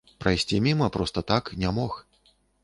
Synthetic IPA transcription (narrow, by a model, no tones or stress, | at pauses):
pɾajsʲt͡sʲimʲimɐpɾɔst̪ɐt̪aknʲamɔx